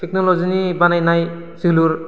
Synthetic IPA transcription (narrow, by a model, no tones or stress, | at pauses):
tʰeknɔlɔzinibanajnaj | ziluɾ